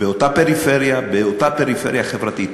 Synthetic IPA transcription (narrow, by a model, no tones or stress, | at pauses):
beo̞t̪ape̞ɾifeʁjabeot̪ape̞ɾifḛɾjaχevʁat̪it̪